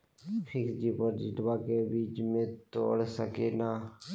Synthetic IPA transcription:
xʰɪksd͡ʒiːpəɾd͡ʒɪʈbaːkebiːt͡ʃmẽt̪o̰ːɽsəkenaː

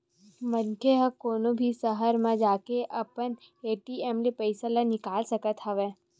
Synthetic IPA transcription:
mənkeɦəkoːnõbʱisəɦəɾmãd͡ʒaːkeʔɐpən | eːʈiɛːmlepɐɪsalanɪkaːlsɐkət̪hɐʋeː

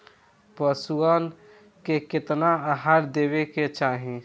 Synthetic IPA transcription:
pəsuən | keket̪naaɦaɾd̪ebeket͡ʃaɦĩ

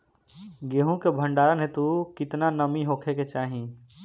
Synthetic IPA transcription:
ɡeːɦũkebʱə̃ɳɖaːɾənɦet̪ukɪt̪nanəmiɦoːkʰeket͡ʃaːɦĩ

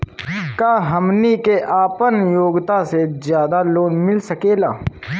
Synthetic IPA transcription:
kaːɦɐmnikeʔaːpənjoːɡt̪asezjaːd̪aloːnmɪlsɐkeːla̰ː

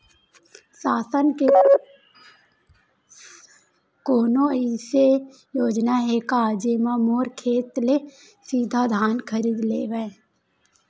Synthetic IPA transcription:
saːsənke | koːnõəise | joːd͡ʒnaɦekaːd͡ʒemãmoːɾkʰeːt̪le | siːd̪ʱad̪ʱaːnkʰəɾiːd̪lḛːʋe

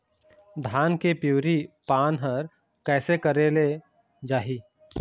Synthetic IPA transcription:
d̪ʱaːnkepjuːɾipaːnɦəɾ | kɛːsekəɾele | d͡ʒaːɦiː

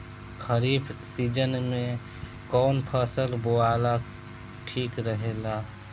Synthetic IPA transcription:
kʰəɾiːbsiːd͡ʒənmẽ | kɔːnpʰəsəlboaːla | ʈʰiːkɾəɦeːla

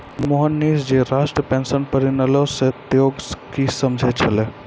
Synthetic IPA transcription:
mmoɦənːiːsd͡ʒeɾasʈɾəpẽnsənpəɾinəlɔset̪joːɡkisəmd͡ʒʱet͡ʃʰəle

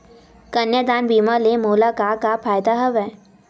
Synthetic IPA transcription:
kɐnjəd̪aːnbiːmalemoːlakakapʰaːjd̪aɦɐʋɦɛː

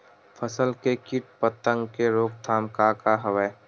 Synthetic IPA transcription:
pʰəsəlkekɪʈ̚pət̪ə̃ŋɡkeɾoːk̚t̪ʰaːmkakaɦəʋə

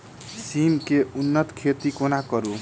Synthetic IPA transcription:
simkeunːʌt̪kʰet̪ikonakʌɾu

